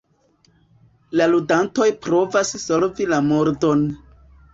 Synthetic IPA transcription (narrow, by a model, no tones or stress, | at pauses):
laludanto̞jpɾo̞vasso̞ɾvilamo̞ɾdo̞n